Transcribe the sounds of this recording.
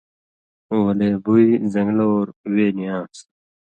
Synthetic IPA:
wɐleːbuizɐ̃ŋɡloːɾweːnijãːs

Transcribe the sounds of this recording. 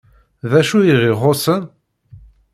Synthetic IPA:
ðæʃujiʁiʁosən

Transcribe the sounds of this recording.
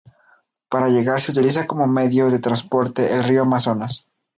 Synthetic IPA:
paɾaʝe̞ɣaɾse̞ut̪ilis̬ako̞mo̞me̞ðjo̞ðe̞t̪ɾanspo̞ɾt̪e̞ʔelrioamaso̞nas

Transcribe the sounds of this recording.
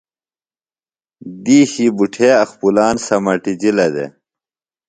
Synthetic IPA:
d̪iːɕibuʈʰeːɐxpulaːnsɐmɐʈid͡ʑilɐd̪ḛ

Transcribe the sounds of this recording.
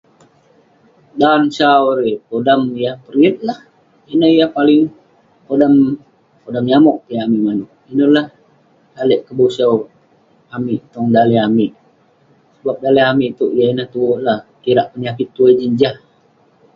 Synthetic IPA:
dansawɾepodamijapəɾiət̪̚lah | inəhijapalɪŋ | podam | podamɲamɔʔpiamimanuʔ | inəlah | halɛʔkəbosəw | amiʔt̪ɔŋdaliamiʔ | səbap̚daleamiʔt̪uʔijainəht̪uoʔlahkiɾaʔpəɲakɪt̪ːuəd͡ʒəɲd͡ʒah

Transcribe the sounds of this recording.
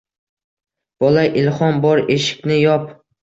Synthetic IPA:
b̥ɒlaʔɪlˠχɒnbɒɾeʃɪ̥kʲnɪjɒp

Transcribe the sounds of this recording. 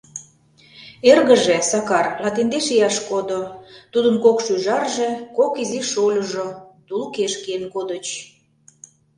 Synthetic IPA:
erɣə̆ʒesɑkɑrlɑt̪end̪eʃejɑʃkod̪ot̪ud̪ə̆mkokʃyʒɑrʒekokiziʃolʲəʒot̪ulkeʃkenkod̪ət͡ɕ

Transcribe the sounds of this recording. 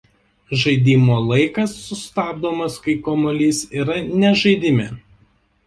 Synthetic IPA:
ʒɐɪd̪ʲiːmoːlˠɐɪkɐsːʊst̪ɑːb̚d̪oːmɐskɐɪkoːmɔlʲiːsiːɾɐnʲɛʒɐɪd̪ʲɪmʲḛ

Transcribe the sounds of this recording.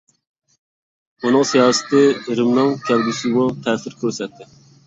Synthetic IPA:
unɨŋsijɑːsɨ̥t̪ʰɪɾɪmnɨŋkʲʰɛlɡʲysɪbut̪ʰɛːsɪɾkʲʰøɾsɛt̪ʰːɪ

